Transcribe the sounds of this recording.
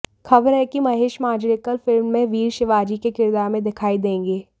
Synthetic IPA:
xɐbəɾɦɛkimɐɦeːʃmaːd͡ʒɾɪkəlfɪlmːẽʋiːɾʃɪʋaːd͡ʒikekɪɾd̪aːɾmẽd̪ɪkʰaːid̪ẽːŋɡeː

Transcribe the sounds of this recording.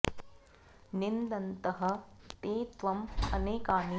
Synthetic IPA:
nind̪ɐnt̪ɐɦɐ̆t̪eːt̪ʋɐmɐ̰neːkaːni

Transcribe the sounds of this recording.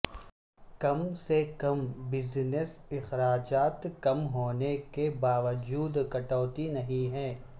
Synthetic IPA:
kɐmsekɐmbɪznɪsɪxɾaːd͡ʒaːt̪kɐmɦoːnekebaːʋəd͡ʒuːd̪kɐʈɔːt̪inɐɦĩɦɛ̃ː

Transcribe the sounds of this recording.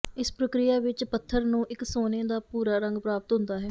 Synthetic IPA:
ɪspɾəkɾɪjaːʋɪt͡ʃpət̪ʰːəɾnũːʔɪksoːnẽːd̪aːpuːɾaːɾəŋɡpɾaːpət̪ɦʊ̃nd̪aːɦɛː

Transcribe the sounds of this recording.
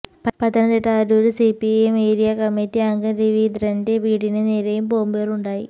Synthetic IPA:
ɐpɐt̪ːɐnɐnd̪iʈːɐaɾuːɾusipiemeːɾijɐkɐmːitːiɐŋɡɐnɾiʋiːd̪rɐnde̞ʋiːɽinɨneːɾɐjumpoːumbeːruɳɖaːjḭ

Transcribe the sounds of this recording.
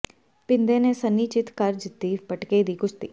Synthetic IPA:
pɪ̃nd̪eːneːsənːiːt͡ʃɪt̪kəɾd͡ʒɪt̪ːiːpəʈkeːd̪iːkʊt͡ʃʰt̪iː

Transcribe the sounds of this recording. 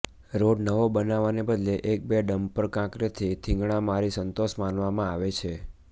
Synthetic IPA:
ɾoɖnəʋobənaʋanebəd̪leʔek̚beɖəmpəɾkãkɾət̪ʰit̪ʰɪ̃ŋɡɳ̃amaɾisənt̪oʃmanʋamãaʋet͡ʃʰe

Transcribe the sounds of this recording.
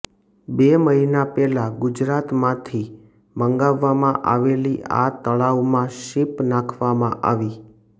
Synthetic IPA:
beməɦinapɛlaɡʊd͡ʒɾat̪mãt̪ʰi | məŋɡaʋːamãʔaʋeliʔa̰t̪əɭaʋmãʃipnakʰʋamãʔa̰ʋi

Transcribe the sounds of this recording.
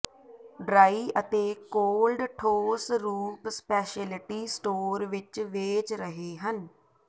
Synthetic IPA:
ɖɾaːiːʔət̪eːkoːlɖʈʰoːsɾuːpspɛːʃɛlɪʈiːsʈoːɾʋɪt͡ʃʋeːt͡ʃɾəɦeːɦən

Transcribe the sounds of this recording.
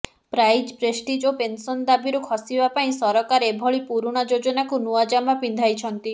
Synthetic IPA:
pɾajd͡ʒpɾesʈid͡ʒopensɔnd̪abiɾukʰɔsibapaĩsɔɾɔkaɾebʱɔɭipuɾuɽ̃ɔd͡ʒod͡ʒɔnakunuad͡ʒamapĩnd̪ʱajt͡ʃʰɔnt̪i

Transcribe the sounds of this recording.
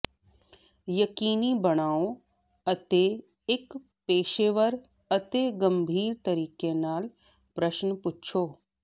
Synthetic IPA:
jɐkiːnibɐɽ̃aːõ | ɐt̪e | k | peːʃeʋəɾ | ɐt̪eɡɐ̃mbʱiːɾt̪ɐɾiːkenaːl | pɾəʃnəpʊtːt͡ʃʰoː

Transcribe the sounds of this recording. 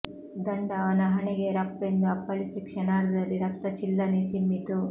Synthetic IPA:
d̪ɐɳɖaːʋɐnɐɦɐɳeɡeːɾɐpːend̪ɐːpːɐɭisikʂɐnaːɽud̪ɐlːiɾɐk̚t̪ɐt͡ʃilːɐnit͡ʃimːit̪u

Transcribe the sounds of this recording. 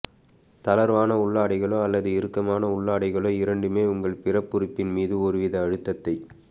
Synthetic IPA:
t̪ɐlɐɾʋaːnɐʊɭːaːɽɐɪɣɐɭoːɐlːɐðɯɪɾɯkːɐmaːnɐʊɭːaːɽɐɪɣɐɭoːɪɾɐɳɖɯmeːʊŋɡɐɭpɪrɐpːʊɾɯpːɪnmiːðɯɔɾɯʋɪðɐːɻɯt̪ːɐt̪ːɐɪ

